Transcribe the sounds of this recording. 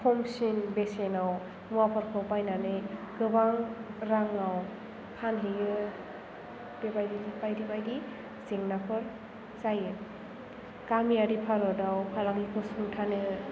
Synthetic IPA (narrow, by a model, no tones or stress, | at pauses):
pʰɔmsinbesenaw | muapʰɯɾkʰɯpajnanɯɡɯbaŋɾaŋaw | kʰanɦejɯ | bebajdilpajdibajdi | ziŋnapʰɯɾ | zajɯ | kamiaɾipʰaɾɔdawpʰalaŋikʰɯsuŋtʰanɯ